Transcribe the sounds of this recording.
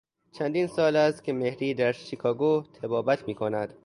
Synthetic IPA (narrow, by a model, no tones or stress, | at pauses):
t͡ʃʰænd̪iːnsɒːlæst̪̚kʲʰemehɾiːd̪æɾʃikʰɒːɡot̪ʰebɒːbæt̪ʰmiːkʰonæd̪̥